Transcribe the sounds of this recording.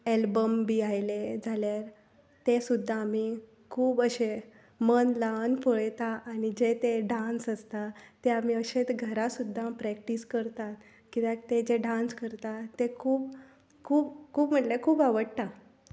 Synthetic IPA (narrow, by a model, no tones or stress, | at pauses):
elbəmbiajled͡zʱaljaɾ | t̪esud̪ʱːaːm̤i | kʰuːbəɕe | mənlaənpoɭjt̪aʔːɽ̃id͡ʑet̪eɖãnsəst̪at̪ːeam̤iəɕet̪ɡʱəɾasud̪ʱːapɾɛk̚ʈiskəɾt̪at̪ | kit̪at̪ed͡ʑeɖãnskəɾt̪at̪ːekʰuːp | kʰuːpkʰuːpm̤əʈlekʰuːpaʋəɽt̪a